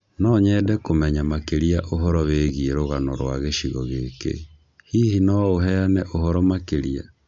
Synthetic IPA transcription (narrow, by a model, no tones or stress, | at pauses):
nɔɲɛdɛkomɛɲamakeɾiaʔoɦɔɾɔweːɣieɾoɣanɔɾwa̰ɣeʃiɣɔɣekḛ | hihinɔoɦɛanɛʔohɔɾɔmakeɾia̰